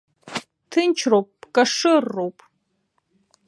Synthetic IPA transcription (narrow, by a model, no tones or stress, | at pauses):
tʰɨnt͡ʃʰɾowp̚ʼːkʼɐʂɨrːowpʼ